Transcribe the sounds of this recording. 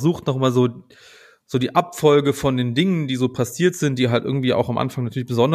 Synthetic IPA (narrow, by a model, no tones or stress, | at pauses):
zuːxtnɔχmaːlzoː | z̥oːdiːʔapfɔlɡəfɔndeːndɪŋəndiːzoːpʰasiːɐtz̥ɪnt̚d̥iːɦaltʔɪ̰ɐɡŋ̩tv̥iːʔa̰ʊxamʔa̰nfaŋnatʰyːlɪçb̥əzɔnd